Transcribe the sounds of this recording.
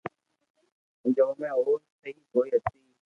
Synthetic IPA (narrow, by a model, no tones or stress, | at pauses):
d͡ʒoːmẽːɦoːɾsəiːkoːiːət̪ʰiː